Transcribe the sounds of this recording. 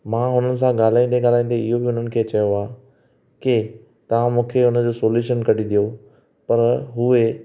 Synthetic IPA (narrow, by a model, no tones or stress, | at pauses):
mãːɦʊnənɪ̆s̬ãɡaːl̤aːĩːn̆d̪eɡaːl̤aːĩːnd̪eɪɦobɪɦʊn̤ənɪ̆kʰeːt͡ɕɐjoaː | kɪ | t̪ɐʋ̤ãmũːkʰeʊnə̆d͡ʑoːsoːljuːʃənkɐɽid̪ijo | pɐɾɦʊe